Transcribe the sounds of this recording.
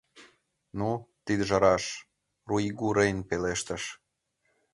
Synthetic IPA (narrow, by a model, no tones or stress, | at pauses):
nut̪id̪əʒɑɾɑʃ | ruiɡuɾejnpeleʃt̪əʃ